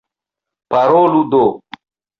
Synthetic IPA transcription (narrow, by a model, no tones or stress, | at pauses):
pɐɾoːlud̪oː